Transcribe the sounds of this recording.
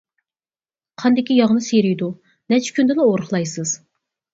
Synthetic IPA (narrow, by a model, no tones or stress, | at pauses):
qʰɑnd̪ɪkʲijɑʁnɨseɾijd̪u | nɛt͡ʃʰɪ̥kʲʰynd̪ɪlɛoɾəχlˠɑjsɨz̥